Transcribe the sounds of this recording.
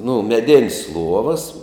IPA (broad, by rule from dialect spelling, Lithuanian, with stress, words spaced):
nʊ mʲɛˈdʲɪnʲsʲ ˈlˠuɔʋɐs